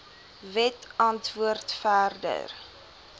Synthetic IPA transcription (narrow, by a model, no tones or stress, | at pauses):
vɛtɐntvuərtfæːrdə̰r